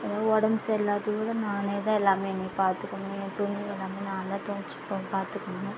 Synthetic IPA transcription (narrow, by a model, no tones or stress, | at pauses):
ɛðaːʋɔɽɐmsɛlːaːðɯʋiːɽɐnaːnet̪ãːɛlːaːmeɛnːipaːɾt̪ɯkːɐmːet̪ʊniɛlːaːmeːnãːnd̪ãːt̪oːt͡ʃːɯ̥pːopaːɾt̪ɯkːɐmɐnẽ